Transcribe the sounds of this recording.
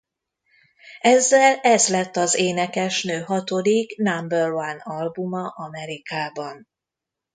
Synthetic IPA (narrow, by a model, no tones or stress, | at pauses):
ɛzːɛlɛzlɛt̪ːɒzeːnɛkɛʃnøːɦɒt̪o̞d̪iknambɛrvanɒlbumɒʔɒmɛɾikaːbɒn